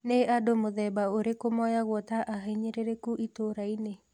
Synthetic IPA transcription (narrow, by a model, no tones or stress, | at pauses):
neʔadomoðɛbaoɾekomɔjaɣwɔtaʔaɦaiɲeɾeɾekuʔitoɾaine